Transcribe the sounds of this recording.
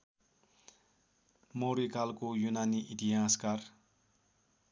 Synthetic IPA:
moɾikalkojunaniʔit̪iãskar

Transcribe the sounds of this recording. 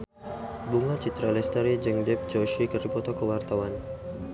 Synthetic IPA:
buŋat͡ʃit̪ɾalɛst̪əɾid͡ʒəŋdɛp̚t͡ʃɔʃikəripɔt̪ɔkəwart̪awan

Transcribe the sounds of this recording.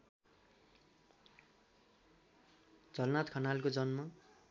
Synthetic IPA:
d͡zʌlnat̪kʰʌnalkod͡zʌnmʌ

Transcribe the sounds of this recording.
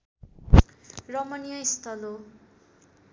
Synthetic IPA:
rʌmʌnijʌist̪ʰʌlo

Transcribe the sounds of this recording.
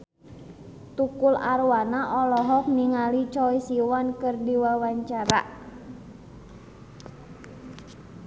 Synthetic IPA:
t̪ukularwanaʔɔlɔɦɔk̚niŋalit͡ʃɔisiwankɨrdiwawaɲt͡ʃaɾa̰

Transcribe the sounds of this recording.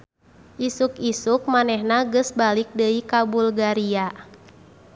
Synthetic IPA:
ʔisukisuk̚manɛhnaɡəsbalik̚dəikabulɡaɾia

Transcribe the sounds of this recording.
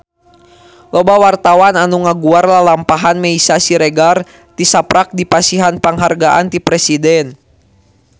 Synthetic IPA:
lɔbawart̪awananuŋaɡuarlalampaɦanmɛisasiɾɛɡar | t̪isapɾak̚dipasiɦanpaŋɦarɡaʔa̰nt̪ipɾɛsidɛn

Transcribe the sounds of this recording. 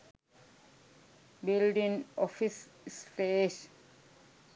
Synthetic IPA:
bilɖĩŋɔfisspeːs

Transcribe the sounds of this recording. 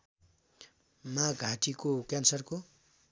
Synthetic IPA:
maɡʱaʈikokjansʌrko

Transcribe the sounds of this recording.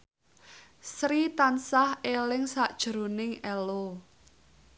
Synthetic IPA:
sɾit̪ansahelɪŋsaʔd̥ʒ̥ɾo̤nɪŋɛlo

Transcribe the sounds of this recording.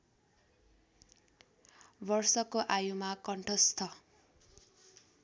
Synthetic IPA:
bʌrsʌkoʔajumakʌɳʈʰʌst̪ʰʌ

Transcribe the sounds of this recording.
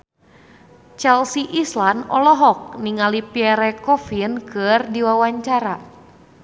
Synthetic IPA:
t͡ʃɛlsiʔislanɔlɔɦɔk̚niŋalipiɛɾɛkɔfinkɨrdiwawaɲt͡ʃaɾa

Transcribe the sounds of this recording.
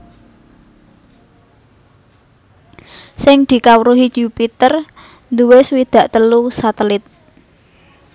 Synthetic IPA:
sɪŋd̪̥i̤kawəɾuɦid͡ʒupit̪ər | nd̪uweswid̪̥ä̤ʔt̪əlusat̪əlɪt̪̚

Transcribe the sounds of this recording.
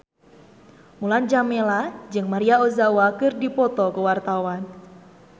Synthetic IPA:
muland͡ʒamelad͡ʒɨŋmaɾiaozawakɨrdipɔt̪ɔkəwart̪awan

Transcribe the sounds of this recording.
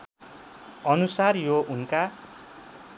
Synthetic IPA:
ʌnusarjounka

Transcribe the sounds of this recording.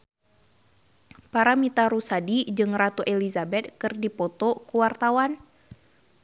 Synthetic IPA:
paɾamit̪aɾusadid͡ʒɨŋrat̪uʔelizabɛt̪̚kɨrdipɔt̪ɔkuwart̪awan

